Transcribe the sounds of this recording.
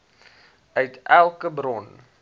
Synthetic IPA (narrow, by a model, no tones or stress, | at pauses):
ʔœɥtʔælˠkəbrɔn